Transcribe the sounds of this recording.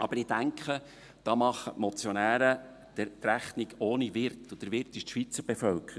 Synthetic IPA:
ʔɑ̰bəɾɪd̥æŋkχə | d̥ɑːmɑχːəmɔt͡sjɔnæːɾə | d̥t̪ræχnɪɡoːniʋɪrtʊd̥̪əɾʋɪɾt̪ɪʃtʃʋit͡səɾb̥efœlkəɾ

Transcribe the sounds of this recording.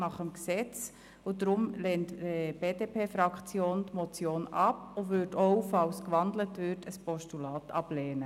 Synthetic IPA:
nɑχəmksɛt͡s | ʊdɾʊmlɛːntb̥eːdeːpʰeːfɾɑkχt͡sjoːntmɔt͡sjoːnɑpʊʋʏtɔʊfɑlskʋɑndlətʋʏtəspɔʃtulɑːtʰɑblɛːnə

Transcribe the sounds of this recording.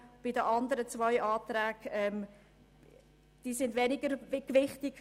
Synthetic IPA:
b̥ɪdəʔɑndəɾət͡svɔʏʔɑːt̪rɛːɡ̥ɛm | d̥iːsɪndvɛnɪɡəɾkvɪχtɪɡ

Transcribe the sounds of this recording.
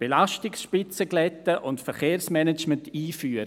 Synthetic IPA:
b̥elaʃtɪksʃpɪt͡səɡlɛtːəʔʊntfɛɾχeːɾsmɛnɛt͡ʃməntiːfyːəɾə

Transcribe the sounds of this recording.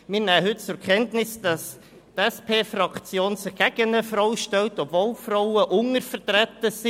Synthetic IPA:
mɪɾnæːəɦʏt̚t͡sʊɾkʰɛntnɪsd̥ɑs | tɛspʰeːfrɑkt͡sjoːnsɪχɡ̥æɡ̥ənəfɾaʊʃtɛltɔpvoːlfrɔʊəʔʊŋəɾfəɾtɾɛtəsi

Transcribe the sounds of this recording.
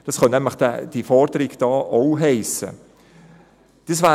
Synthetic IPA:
d̥ɑsχœnɛmləχd̥ɛ̰d̥ifɔɾdəɾɪɡd̥ɑːʔowɦɛɪsə̰ | d̥isvæː

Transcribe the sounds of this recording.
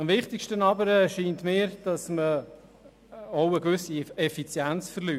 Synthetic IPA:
ɑmvɪχtɪkʃtənɑbəɾəʃiːntmɪːɾd̥ɑsmə | ɔʊəkʋʏsiɛfit͡sjænt͡sfəɾlyː

